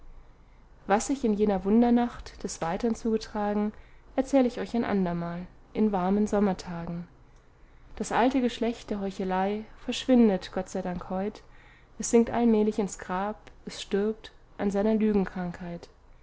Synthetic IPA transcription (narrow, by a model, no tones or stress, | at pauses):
vasz̥ɪçɪnjeːnɐvʊndɐnaχtd̥ɛsv̥aɪtɐnt͡suːɡətʁ̥aːɡŋ̩ʔɛɐt͡sɛːləɪçɔʏçaɪnʔa̰ndɐmaːl | ʔɪnvaɐmənzɔmɐtʰaːɡŋ̩ | d̥asʔaltəɡəʃlɛçt̚d̥eːɐɦɔʏçəlaɪfɛɐʃv̥ɪndətɡ̥ɔtt͡saɪdaŋkhɔʏt | ʔɛsz̥ɪŋk̚tʔa̰lmɛːlɪçɪnsɡ̥ʁaːpʔɛsʃtɪɐp̚t | ʔanzaɪnɐlyːɡŋ̩kʁ̥aŋkhaɪt